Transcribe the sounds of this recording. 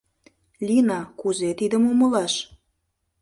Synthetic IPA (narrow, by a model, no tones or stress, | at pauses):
lʲinɑkuzet̪id̪əmuməlɑʃ